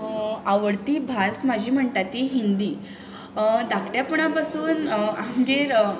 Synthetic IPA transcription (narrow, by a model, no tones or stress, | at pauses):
aʋəɽt̪iːbʱasmad͡ʑʱiːm̤əɳt̪at̪iɦind̪iː | d̪akʈjapəɳ̃apasuːnãŋɡeɾ